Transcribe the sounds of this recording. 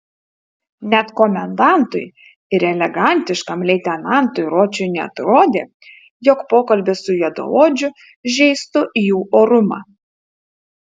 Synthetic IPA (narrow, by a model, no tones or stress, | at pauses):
nʲɛt̪kɔmʲɛnd̪ɑˑnt̪ʊ̰j | ɪɾɛlʲɛɡɐˑnʲt̪ʲɪʃkɐmlʲɛɪt̪ʲɛnɑˑnt̪ʊjɾoːt͡ʃʲʊjnʲɛɐ̰t̪ɾoːd̪ʲeː | joːkpoːkɐlʲbʲesʊjɛd̪o̰oːd͡ʒʲʊ | ʒʲɛɪst̪ʊʔijuːʔoːɾʊmɑ̰ː